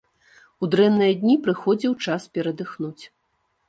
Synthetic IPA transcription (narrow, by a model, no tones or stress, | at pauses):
ud̪ɾɛnːɐjɐd̪ʲnʲipɾɨxɔd͡zʲiwt͡ʂaspʲɛɾɐd̪ɨxnut͡sʲ